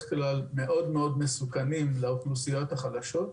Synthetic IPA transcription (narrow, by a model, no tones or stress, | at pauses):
χklalme̞ʔo̞d̪me̞o̞d̪mesukanimleoχlusijo̞t̪haχad̪aʃo̞t